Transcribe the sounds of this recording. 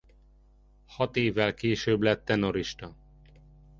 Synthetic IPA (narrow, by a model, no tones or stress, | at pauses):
hɒt̪eːvːɛlkeːʃøːblɛt̪ːɛnoɾiʃt̪ɒ